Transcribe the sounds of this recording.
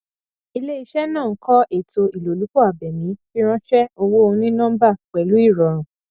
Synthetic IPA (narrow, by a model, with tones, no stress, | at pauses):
i˧le˦i˧ʃɛ˦nãː˦˨˦kɔ˦e˨to˧i˨lo˨lu˨˦k͡pɔ˦˨a˨bɛ˨mĩ˨˦fi˦ɾ̃ã˦fɛ˦o˧wo˦o˧ũ˧nĩ˦nɔ̃˦m̩˦ba˦˨k͡pɛ˨lu˨˦i˦˨ɾɔ˨ɾ̃ũ˨